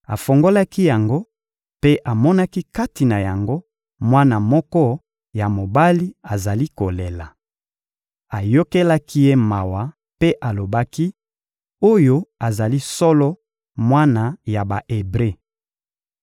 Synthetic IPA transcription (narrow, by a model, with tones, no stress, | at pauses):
a̰˨fo˨ŋɡo˦la˦ki˦ja˨ŋɡo˦ | pe˦ʔa˨mɔ˦na˦ki˦ka˦ti˨na˨ja˨ŋɡo˦ | mwa˦na˨mɔ˦kɔ˦ | ja˨mo˨ba˦li˦a˨za˨li˦ko˨le˨la˨ | a˨jo˦ke˦la˦ki˦je˦ma˨wa˨ | pe˦ʔa˨lo˨ba˦ki˦ | o˦jo˦a˨za˨li˦sɔ˦lɔ˦ | mwa˦na˨ja˨ba˨ʔe˨bʁe˦˨